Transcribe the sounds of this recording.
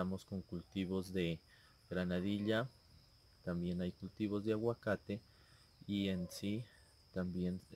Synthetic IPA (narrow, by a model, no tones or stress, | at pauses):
amoskoŋkult̪iβozðe | ɡɾanaðiʎa | t̪ambjenajkult̪iβozðeaɣwakat̪e | iensi | t̪ambjen